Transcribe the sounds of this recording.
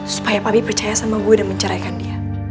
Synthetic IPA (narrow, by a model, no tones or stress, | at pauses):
su̥pajapabipərt͡ʃajasamaɡudaŋməɲt͡ʃəɾajkandia